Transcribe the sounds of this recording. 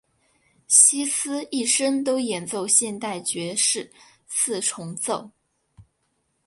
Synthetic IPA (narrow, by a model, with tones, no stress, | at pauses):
ɕi˥sɹ̩˥i˥˩ʂə˥ŋt̪o˥ʊjɛ˨˩nt͡so˥˧ʊɕjɛ˥˧nt̪a˥˩ɪt͡ɕɥɛ˧˥ʂɻ̩˥˩ | sʰɹ̩˥˩ʈ͡ʂʰʊ˧˥ŋt͡so˥˩ʊ